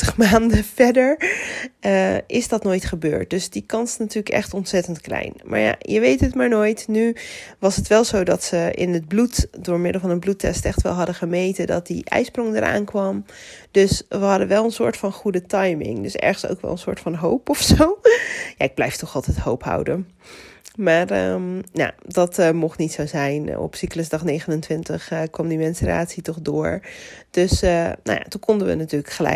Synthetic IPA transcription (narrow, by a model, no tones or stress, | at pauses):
əχmaːndəfɛdəɹ | əʔɪsdɑtnoːjtχəbø̰ːɹt̚d̥ɵsdikɑnsnatyːɹləkɛ̰χtɔntsɛtəntklɛ̰jnma̰ːɹja̰jəʋejtətmaːɹnojtnyʋɑsətʋɛlˠzowdɑtsəɪ̰nəd̚blutdʊːɹmɪdəl̩ˠvɑnənblutɛ̰stɛχtʋɛ̰lˠɦɑdəχəmejtədɑ̰t̚dḭʔɛ̰jsprɔŋdəɹʔa̰ːnkʋɑmdøsʋəɦɑdəʋɛlˠənsʊːɹtfɑnχudətɑjmɪ̰ŋdøsɛ̰ɹχənso̰wkʋɛ̰lˠənsʊ̰ːɹtfɑnɦowpɔfsowjaɪɡ̚blɛjftɔχɑlˠtɛjthowpha̰wdən | maːrəja̰dɑtmɔχnitsowzɛjnɔ̰psikləsdɑχnejχənəntʋɪntəχkʋɑmdimɛnsər̰a̰ːtsitɔχdʊːɹd̥øsəno̰ja̰tukɔndəʋə̰natyːləkχəlɛ̰